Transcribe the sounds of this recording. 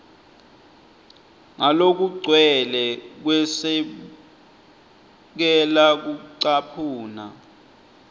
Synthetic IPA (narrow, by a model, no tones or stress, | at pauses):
ŋalok̬uɡ͡ǀʱwɛlɛk̬wɛsɛ | k̬ɛlak̬uǀapʰuːna̰